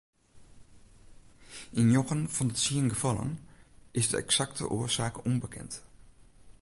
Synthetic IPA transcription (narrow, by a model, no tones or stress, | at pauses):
ɪnjoɣənfɔndətsiənɡəfɑlˠə̰nɪsdə̰ɛ̰ksaktə̰ʔoəsaːkumbəkʰɛ̰nt